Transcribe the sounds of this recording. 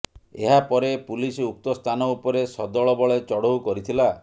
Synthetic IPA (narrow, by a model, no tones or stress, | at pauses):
eɦapɔɾepulisuk̚t̪ɔst̪ʰanɔupɔɾesɔd̪ɔɭɔbɔɭet͡ʃɔɽowkɔɾit̪ʰila